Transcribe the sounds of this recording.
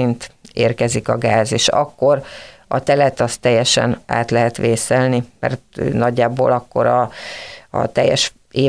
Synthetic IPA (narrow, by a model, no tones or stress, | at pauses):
int̪eːrkɛzikɒɡaːzeːʃɒ̰kːo̞ɾɒ̰t̪ɛlɛt̪ɒst̪ːɛjːɛʃɛ̰na̰ːt̪lɛɦɛt̪ʋeːsɛlnimɛ̰rt̪ø̰ːnɒɟːaːbo̰ːlɒkːo̞̰ɾɒ | ɒ̰t̪ɛjːɛʃ | eː